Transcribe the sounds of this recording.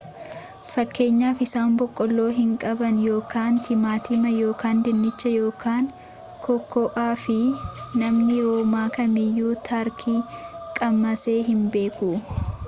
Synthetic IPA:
fɐkːe̞ːɲːaːfɪsaːmbɔkʼːɔlːo̞ːɦɪŋkʼɐbɐnjo̞ːkaːnt̪ɪmaːt̪iːmɐjo̞ːkaːnd̪ɪnːɪt͡ʃːɐjo̞ːkaːŋ | kʰɔkʰːɔʔaːfɪnɐmnɪɾoːmaːkɐmɪjːuːt̪ʰaːɾkʰiːkʼɐmːɐseːɦɪmbe̞ːku

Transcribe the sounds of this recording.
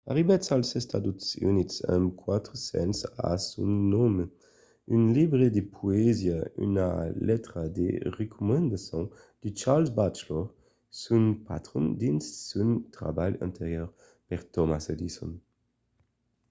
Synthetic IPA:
a̰ʁibɛtsalsɛst̪ad̪ut̪sy̰nitsɛ̰mkʰwat̪ɾəsɛ̰nsa̰sũnnɔm | ynlibʁed̪epʰuezjay̰nalɛt̪ɾad̪ḛʁekʰumɛ̃nd̪asɔ̃ | d̪̥ət͡ʃaʁlsbat͡ʃlɔʁ | sunpa̰t̪ʁɔ̃nd̪insːunt̪ʁa̰bajã̰nt̪ʰeʁjøʁ | pɛʁt̪ɔmased̪isɔ̰n

